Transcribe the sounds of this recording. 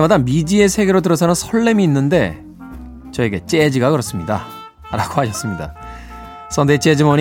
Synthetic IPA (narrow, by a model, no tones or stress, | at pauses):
emadamid͡ʑie̞sʰe̞ɡeɾodɯɾʌsʰʌnɯnsʰʌɭːe̞miːnːɯnde̞̰ | t͡ɕʌe̞ɡe̞t͡ɕ͈e̞d͡ʑiɡakɯɾʌs͈ɯmɲida̰ | ɾaɡ̥ohaɕʰʌs͈ɯmɲida̰ | s͈ʰʌndet͡ɕ͈ed͡ʑimʌɲ